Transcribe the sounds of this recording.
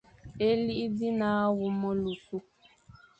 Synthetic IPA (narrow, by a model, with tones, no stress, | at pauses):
e˦li˦i˦di˦na˨˦a˦wʊ˨mo˦lu˨ku˦